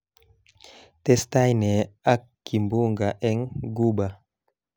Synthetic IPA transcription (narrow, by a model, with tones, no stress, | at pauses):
tɛ˦sta˦jnɛ˨a˦kː | i˨mbu˦ŋɡaʔɛ˦ŋɡu˦ba˨